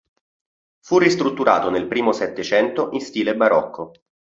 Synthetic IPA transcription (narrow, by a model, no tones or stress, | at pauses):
furːist̪ɾut̪ːuɾa̰ːt̪onelpɾiːmosɛt̪ːet͡ʃɛnt̪oʔinst̪iːlebaɾɔkʰːo